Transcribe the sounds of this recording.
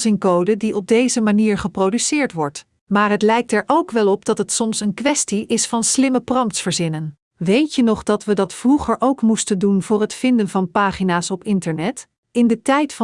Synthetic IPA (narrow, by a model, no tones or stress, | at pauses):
zɪŋkowdədiɔb̚dejzəmaniːɹχəprowdysɪːɹtʋɔɹt | maːɹɦətlɛjk̚tɛɹʔowkʋɛlˠɔp̚d̥ɑtɦətsɔmsənkʋɛstiʔɪsfɑnslɪməprɑmtsfəɹzɪnən | ʋejtjənɔχdɑtʋədɑtfruχəɹʔowkmustəndunvʊːɹɦətfɪndənvɑnpaːχinaːsɔpɪntəɹnɛt | ɪndətɛjtfɑ